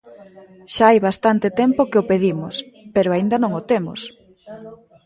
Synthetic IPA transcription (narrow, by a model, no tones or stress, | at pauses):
ʃaajβast̪ant̪ɪt̪ɛmpokeopeðimʊspeɾʊaind̪ɐnõŋot̪emʊ̰s